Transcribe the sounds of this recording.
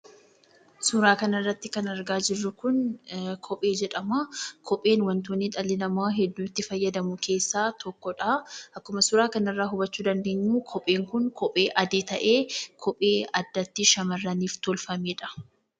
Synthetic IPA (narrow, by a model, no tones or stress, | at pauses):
sʊɾaːkɐnɐrːɐt̪ːɪkɐnɐɾɡaːd͡ʒɪrːʊkʊnkʰɔpʼe̞ːd͡ʒɛᶑɐmaːkʰɔpʼe̞ːnwɐnt̪oːniᶑ̪ʼɐlɪnɐmaːɦɛd̪ːuːt̪ːɪfɐjːɐd̪ɐmʊkʰe̞ːsːaːt̪ɔkːɔᶑaːʔɐkːʊmɐsʊɾaːkɐnɐrːaːɦʊbɐt͡ʃːuːd̪ɐnd̪e̞ːɲːuːkʰɔpʼe̞ːŋkʊŋkʰɔpʼe̞ːʔɐd̪eːt̪ɐʔe̞ːkʰɔpʼeːɐd̪ːɐt̪ːɪʃɐmɐrːɐniːft̪ɔlfɐmeːᶑɐ̥